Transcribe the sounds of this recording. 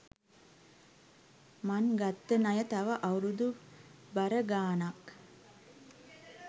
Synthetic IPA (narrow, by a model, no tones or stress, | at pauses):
manɡat̪ːənajət̪aʋəʔawɾud̪ubaɾəɡaːnak